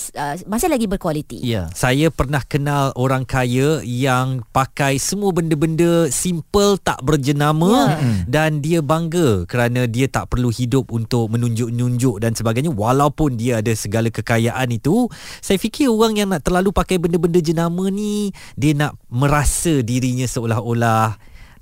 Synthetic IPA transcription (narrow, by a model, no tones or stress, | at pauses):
əmasɪlaɡibərkwalit̪ḭjja̰sajapərnahkənaloɾaŋkajəjaŋpakajsəmuəbəndəbəndəsimpəlt̪a̰ʔbərd͡ʒənamə̃dandiəbaŋɡəkəɾanãdiət̪a̰ʔpərluhidʊp̚unt̪ʊʔ̚mə̃nũɲd͡ʒʊʔɲuɲd͡ʒʊʔdansəbaɡajɲãwalawpʊndiəadəsəɡalakəkajaʔanit̪usajafikɪroɣaŋjaŋnaʔt̪ərlalupakajbəndəbəndəd͡ʒənamə̃nidiənaʔmə̃ɾasədiɾiɲãsəolaɦolah